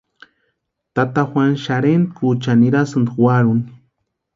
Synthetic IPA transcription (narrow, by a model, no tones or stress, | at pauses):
t̪at̪axwʷanʃaɾent̪̚kut͡ʃaniɾasɨnd̪waɾun